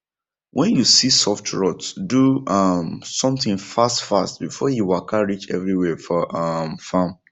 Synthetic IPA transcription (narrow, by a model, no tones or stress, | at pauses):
wʔɛ̃njusisɔftɹɔtsduʌmsɔ̃mθɪ̃ŋfastfastbifɔjiwakʰaɹit͡ʃɛ̰vɹiwɛfɔʔʌmfãm